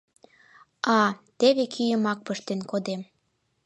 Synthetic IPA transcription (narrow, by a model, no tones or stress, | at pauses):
ɑt̪eβekʰyjəmɑk̚pəʃt̪enkod̪em